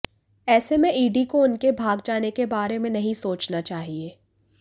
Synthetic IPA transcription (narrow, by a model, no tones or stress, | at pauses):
ɛːsemẽiːɖikoʊnkebʱaːɡd͡ʒaːnekebaːɾemẽnɐɦĩsoːt͡ʃnat͡ʃaːɦieː